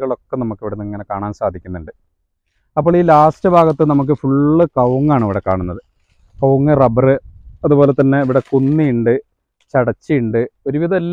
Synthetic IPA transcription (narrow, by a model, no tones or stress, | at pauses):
ɣɐɭo̞kːenɐmukːiʋiɽenːɨŋːɐne̞kaːɳaːnsaːd̪ʱikʲːunːuɳɖɨ | ɐpːoːɭiːlaːstɨbʱaːɣɐt̪ːɨnɐmuk̬ːɨfuɭːɨkɐwŋːaːɳiʋiɽe̞kːaːɳunːɐðɨ | kɐwŋːɨrɐbɐrɨɐðubo̞ːle̞t̪ːɐnːe̞iʋiɽe̞kunːijuɳɖɨ | t͡ɕɐɽɐt͡ɕːɨjuɳɖɨo̞ɾuʋiðɐelː